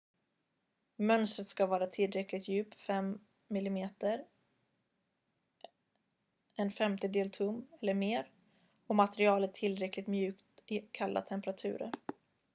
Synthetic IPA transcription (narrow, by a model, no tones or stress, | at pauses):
mœnst̪ɾət̪skavɑːɾat̪ʰɪlɾɛklɪt̪jʉ̟ːpfɛmː | ɪlɪmeːt̪əɾ | ɛnfɛmt̪əd̪eːlt̪ʰɵmːɛlːəɾmeːɾ | ɔmat̪ɛɾɪɑːlət̪ʰːɪlɾɛklɪɡ̚t̪mjʉ̟ːkt̪ɪkʰalːa̰t̪ʰɛmpəɾat̪ʰʉ̟̰ːɾə̰ɾ